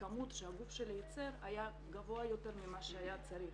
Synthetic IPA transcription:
kamut̪ʃeaɡufʃeljet͡se̞ʁaja | ɡavo̞ajo̞t̪e̞ɾmimaʃeajat͡saɾiχ

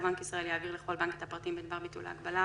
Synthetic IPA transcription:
baŋkisʁae̞ljaːviʁleχo̞lbaŋket̪apʁat̪imbed̪baʁbit̪ṵlha̰ːɡbala

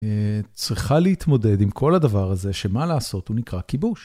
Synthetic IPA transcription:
et͡sʁiχaleit̪mo̞de̞d̪imkʰo̞lad̪avaʁaze̞ʃe̞malaːso̞t̪hunikʁakibuʃ

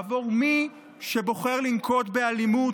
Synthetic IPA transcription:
vo̞ʁmi | ʃebo̞χe̞ʁlinkʰo̞t̪be̞alimu

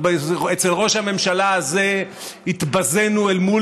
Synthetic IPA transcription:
bet͡selʁo̞ʃhame̞mʃalaaze̞ | hit̪baze̞nuelmul

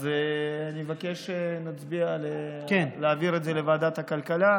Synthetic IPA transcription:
zeanimevakeʃenat͡sbialekenleːviʁed̪zelevaːd̪at̪hakalkala

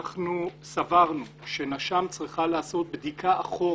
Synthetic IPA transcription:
nu | savaʁnu | ʃe̞naʃamt͡sʁiχalaːso̞t̪̚bd̪ikʰaʔaχo̞

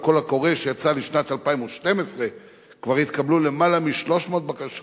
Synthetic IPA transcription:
ko̞lako̞ʁeʃejat͡saliʃnat̪alpaimoʃte̞mesʁe̞ | kvaʁit̪kablule̞malamiʃlo̞ʃmoːt̪̚bakaʃ

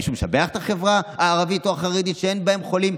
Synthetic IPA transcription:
ʃumʃa̰beaχet̪aχevʁaaːʁavitoaχaʁid̪it̪ʃee̞nbae̞mχo̞lim

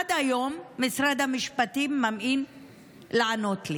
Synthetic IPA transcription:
d̪ajomːɪsɾad̪amiʃpat̪imːamʔin | laʕanot̪li

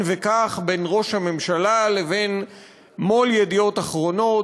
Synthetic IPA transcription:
nvekaχbe̞nʁo̞ʃhame̞mʃalaleve̞n | mo̞ljed̪io̞t̪aχʁo̞no̞t

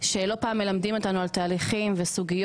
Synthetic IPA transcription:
ʃelo̞paːmːe̞lamdimo̞tanualtaːliχimvesuɡij

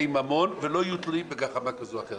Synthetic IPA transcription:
imamo̞nvelo̞jut̪libeɡaχamakazoaχe

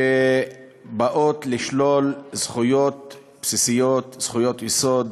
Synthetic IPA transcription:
e | baʔot̪liʃlo̞lzχujo̞t̪̚ | psisijot̪z̥χujo̞t̪jesod̪

